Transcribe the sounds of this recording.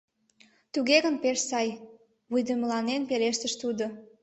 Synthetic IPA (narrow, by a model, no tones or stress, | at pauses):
t̪uɣeɣənpeʃsɑj | βujd̪əmlɑnenpeleʃt̪əʃt̪ud̪o